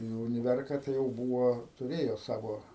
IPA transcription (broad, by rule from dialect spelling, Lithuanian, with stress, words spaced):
nʊ ʊnʲɪˈʋʲɛrkɐ tɐɪ jɛʊ ˈbuːʋoː tʊˈrʲeːjoː ˈsɑːʋoː